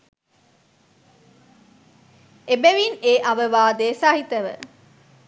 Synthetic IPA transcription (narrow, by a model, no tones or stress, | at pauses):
ebeʋineːʔɐʋəʋaːd̪eːsaːɦit̪əʋə̰